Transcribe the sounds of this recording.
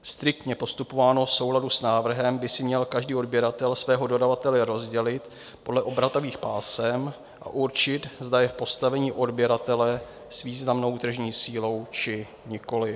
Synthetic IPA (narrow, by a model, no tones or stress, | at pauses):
st̪ɾɪk̚t̪ɲɛpo̞st̪upo̞vaːno̞fso̞wladusnaːvr̩ɦɛmbɪsɪmɲɛlkaʒdiːodbjɛɾat̪ɛlsvɛːɦo̞do̞davat̪ɛlɛɾo̞zɟɛlɪt̪ | po̞dlɛʔo̞bɾat̪o̞viːxpaːsɛm | ʔa̰ʔuɾt͡ʃɪt̪zd̪ajɛfpo̞st̪avɛɲiːʔo̞dbjɛɾat̪ɛlɛ | sviːznamno̞wt̪r̩ʒɲiːsiːlo̞wt͡ʃɪ | ɲɪko̞lɪ